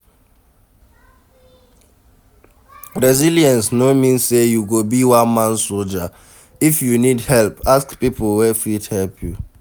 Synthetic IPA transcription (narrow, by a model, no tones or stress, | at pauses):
ɹɛziljɛ̃nsnomĩnsːejuɡobiwãnmãnsold͡ʒə | ifjunidhɛlpaskpipɔlwɛfithɛlpʰju